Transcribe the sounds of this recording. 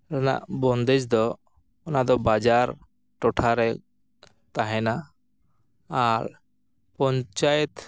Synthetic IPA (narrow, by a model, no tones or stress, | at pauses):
ɾɛna̰ʔbɔnd̪ɛd͡ʒd̪ɔ | ɔnad̪ɔbad͡ʒaɾ | ʈɔʈʰaɾɛ | t̪aɦɛna | aɾ | pɔɲt͡ʃajet̪